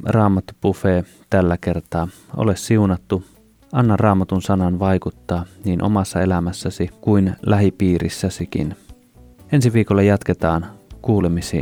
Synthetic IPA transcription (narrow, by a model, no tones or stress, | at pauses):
rɑːmɑt̪ːupufeː | t̪ælːækert̪ɑːʔo̰lessiunɑt̪ːu | ɑnːɑrɑːmɑt̪unsɑnɑnʋɑikut̪ːɑːniːnʔo̰mɑsːɑelæmæsːæsikuinlæɦipiːrḭsːæsikḭn | ensiʋiːkolːɑjɑt̪ket̪ɑːnkuːlemisḭː